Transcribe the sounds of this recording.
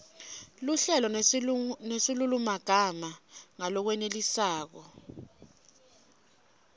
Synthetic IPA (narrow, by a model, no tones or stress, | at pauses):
luɬɛlɔ | nesilulumaɡ̥ʱamaŋalɔk̬wɛnelisaːk̬ɔ